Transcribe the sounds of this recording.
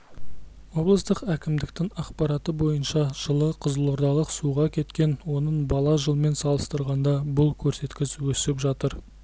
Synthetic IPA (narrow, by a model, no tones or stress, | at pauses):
wo̞blˠəst̪əqækʲɪmd̪ɪk̚t̪ɪŋɑqpɑɾɑt̪əbo̞jənʃɑʒ̥əlˠəqʰəzəlˠoɾd̪ɑlˠəqsuʁɑkʲʰe̞t̪kʲe̞nwo̞nəɴbɑlˠɑʒəlˠme̞nsɑlˠəst̪əɾʁɑnd̪ɑbʊlˠkʲʰɵɾse̞t̪kʲɪzwɵsɪpʒɑt̪əɾ